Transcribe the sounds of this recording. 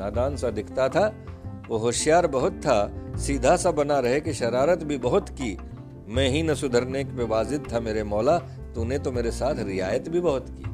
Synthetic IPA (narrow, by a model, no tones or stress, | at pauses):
aːd̪aːnsad̪ɪkʰt̪at̪ʰaʋoːɦoːʃjaːɾbɐɦʊt̪ʰːasiːd̪ʱasɐbɐnaɾɐɦekeʃɐɾaːɾət̪bʱibɐɦʊt̪kiː | mɛ̃ɦinɐsʊd̪ʱəɾnekpeʋaːzɪd̪̚t̪ʰameːɾemɔːla | t̪unẽt̪omeːɾesaːt̪ʰɾɪjaːjət̪bʱibɐɦʊt̪kḭː